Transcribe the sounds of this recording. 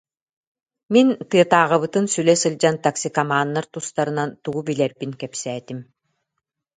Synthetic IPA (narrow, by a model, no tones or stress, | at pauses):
mint̪ɯɐt̪aːʁɯβɯt̪ɯnsylɛsɯlʲd͡ʑant̪aksikamaːnːaɾt̪ust̪aɾɯ̆nant̪uɡubilɛɾbiŋkɛpsɛːt̪im